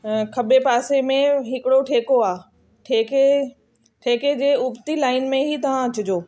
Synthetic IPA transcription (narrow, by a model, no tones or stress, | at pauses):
kʰɐbepaːsemẽɦɪkɪɽoʈʰeːkoaː | ʈʰeːke | ʈʰeːked͡ʑeːʊbt̪ilaːɪnmẽɦit̪ɐʋ̤ãɐt͡ɕʊd͡ʑoː